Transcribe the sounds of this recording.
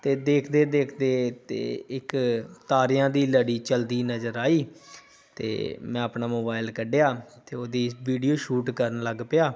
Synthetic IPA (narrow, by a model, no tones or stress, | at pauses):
t̪eːd̪eːkʰd̪eːd̪eːkʰd̪eːt̪ḛːɪkt̪aːɾɪjãːd̪iːləɽiːt͡ʃəld̪iːnəzəɾaːiː | t̪ḛːmɛ̃ːəpnaːmoːbaːɪlkəɖejaːt̪eːoːd̪iːʋiːɖijoːʃuːʈkəɾənləɡpɪjaː